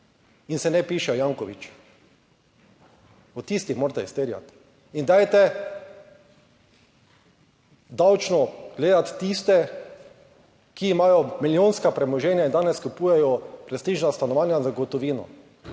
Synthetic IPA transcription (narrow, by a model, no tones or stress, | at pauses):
insɛnɛpiːʃɛjaːŋkɔʋḭt͡ʃ | ɔt̪ist̪ixmoːɾt̪ɛist̪eɾja̰t̪ | ind̪aːjt̪ɛ | d̪awt͡ʃnɔɡ̥leːd̪at̪ːist̪ɛ | kiːmaːjɔmiljoːnskapɾɛmɔʒɛːnjaind̪aːnɛskupuːjɛjɔpɾɛst̪iːʒnast̪anɔʋaːnjazaɡɔt̪ɔʋiːnɔ̰